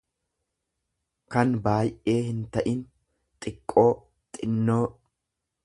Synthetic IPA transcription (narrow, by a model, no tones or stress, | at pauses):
kɐnbaːjʔe̞ːhɪnt̪ɐʔɪn | t̪ʼɪkʼːo̞ː | t̪ʼɪnːo̞ː